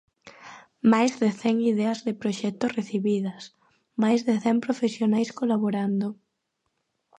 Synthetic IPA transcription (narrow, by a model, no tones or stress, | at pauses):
majzðɪθɛŋiðɛɐzðɪpɾoʃɛt̪osreθiβiðɐs | majzðeθɛmpɾofesjonajskolaβoɾand̪o